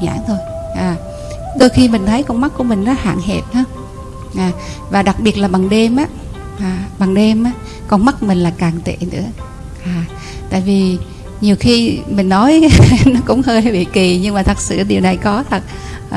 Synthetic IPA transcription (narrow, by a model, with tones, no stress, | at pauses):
ɲa̰ː˧˥ŋt̪ʰo˧jʔaː˨˩ | ɗo˧jxi˧mï˨˩ŋ̟t̪ʰə˨˦jkɔ˧nm˦˥t̚ku˧˩mï˨˩ŋ̟nɔ˨˦ha̰ː˧˨ŋɦe˨˩t̚həː˧ | ʔaː˨˩vaː˨˩ɗa˨˩k̚ɓi˨˩ət̚laː˨˩ɓa˨˩ŋɗe˧mʔaː˨˦ | ʔaː˨˩ɓa˨˩ŋɗe˧mʔaː˨˧˦ | kɔ˧˩nma˦˥t̚mï˨˩ŋ̟laː˨˩jkaː˨˩ŋt̪ḛ˧˨nɨ̰˧˥ə | ʔaː˨˩ | t̪a̰ː˧˨jvi˨˩ | ɲi˨˩əwxi˧mï˨˩ŋ̟nɔ˨˦jnɔ˨˦kʊ̰˧˥ŋ͡mhəː˧jha˨˦jɓḭ˧˨ki˨˩ɲɨ˧ŋmaː˨˩ə˨˩k̚sɨ̰˧˩ɗi˨˩əwna˨˩jkɔ˨˦t̪ʰə˨˩t̚